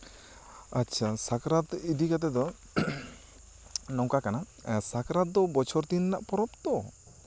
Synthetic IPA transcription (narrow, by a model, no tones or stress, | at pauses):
atːt͡ʃʰasakɾat̪idikat̪̬ɛd̪ɔ | nɔwkakana | sakɾat̪̚d̪ɔbɔt͡ʃʰɔɾt̪inːaʔpɔɾɔpt̪ɔ